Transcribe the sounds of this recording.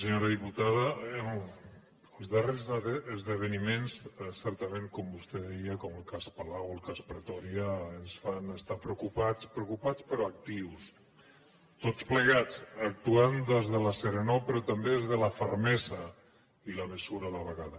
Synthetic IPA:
səɲoɾaðiput̪aðə | əlˠzðərezəzðəβ̞ənimenssɛɾt̪əmeŋkɔmbust̪ɛðɛjəkɔməlˠkaspalawəlˠkaspɾət̪ɔɾiaːnsfanəst̪apɾeukupat͡spɾeukupat͡spəɾɔak̚t̪iws | t̪ot͡spləɣat͡sak̚t̪uand̪ezðəlaseɾenopəɾɔt̪ambeðezðələfəɾmɛza | ilaməsuɾalaβəɣaðə

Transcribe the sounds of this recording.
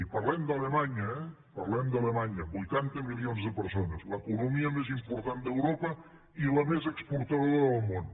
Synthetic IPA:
ipɐɾlɛmd̪ələmaɲəɛ | pɐɾlɛmd̪ɐlemaɲəβujt̪ant̪əmilionzðəpəɾsonəzləkunumiəmezimpuɾt̪and̪əwɾopə | iləmezəkspuɾt̪ɐðoɐɾðəlˠmon

